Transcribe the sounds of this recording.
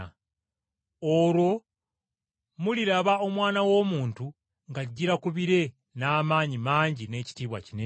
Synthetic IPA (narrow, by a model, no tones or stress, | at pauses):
oɾwo̞ | muliɾaβao̞mwaːnawo̞ːmuːntu | ŋɡaɟːiɾakuβiɾe̞ | naːmaːɲimaːɲɟine̞ːci̥tiːβwa̰cine